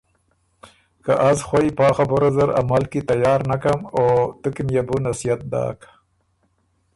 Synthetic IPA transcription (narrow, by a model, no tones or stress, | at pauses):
kaʔazxwajpɑːxabʊɾazaɾa̰malkit̪ajɑːɾnakamot̪ukimjabunasijat̪̚d̪ɑ̰ːk